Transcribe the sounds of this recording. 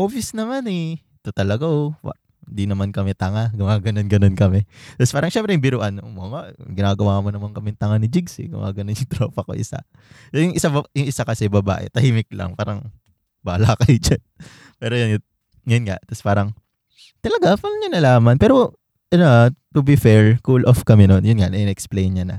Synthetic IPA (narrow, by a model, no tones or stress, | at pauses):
ʔoːfjɐsnɐmanɛ | t̪ot̪ɐlɐɡaowɐ̰ʔ | hnd̪inɐmankɐmɛt̪ɐŋaɡʊŋaːɡɐnonɡɐnonkɐmɛt̪ɐspaːɾɐŋʃɛmpɾɛjʊŋbɪɾʊʔɐnomoŋaʔɡɪnaːɡɐwaːnmonɐmankɐmɛŋt̪ɐŋanɪd͡ʒɪɡsɪ̰ɡʊ̰ŋa̰ɡɐnonjʊŋt̪ɾo̰ːpɐko̰ʔɪ̰sa̰ | sojʊŋʔɪsaɐjʊŋʔɪsakɐsɛbɐba̰ːʔɛ̰t̪ɐhiːmɪk̚lɐ̰ŋpaːɾɐŋ | baːlɐakɐjd͡ʒɐn | pɛːɾojon | jjʊnŋa̰ʔt̪ɐspaːɾɐŋ | t̪ɐlɐɡafɐlɲɐnɐlaːmɐnpɛːɾo | ʔɐnoʔt̪ʊbifɛɹkulʔofkɐmɛnonjʊnŋaʔnɐʔɪnɛʔɛksplejnɲɐnɐ̰